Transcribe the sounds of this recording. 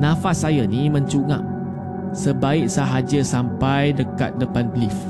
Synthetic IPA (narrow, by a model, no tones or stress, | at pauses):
nãfasːajanimə̃ɲt͡ʃuŋã̰p̚ | səbaɪk̚saɦad͡ʒəsampajdəka̰t̪̚dəpanblif